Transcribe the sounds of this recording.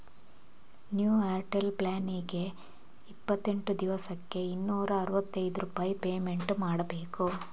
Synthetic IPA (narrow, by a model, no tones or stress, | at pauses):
njuːaːɾʈelplaːniɡe̞ | ipːɐt̪ːe̞ɳʈud̪iʋɐsɐkːe̞inːuːɾɐːɾuʋɐt̪ːɐjd̪uɾupaːjipeːme̞ɳʈmaːɽɐbe̞ːku